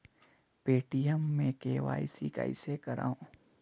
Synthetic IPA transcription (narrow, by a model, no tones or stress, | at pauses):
peːʈijəmːẽkeːʋa̰ːisika̰ːḭsekɐɾa̰ːõː